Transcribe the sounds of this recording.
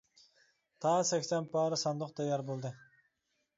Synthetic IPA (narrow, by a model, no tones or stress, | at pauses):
t̪ʰɑːsɛkʲsɛnpʰɑːɾɯsɑnd̪ʊqt̪ɑjɑɾbolˠd̪ɨ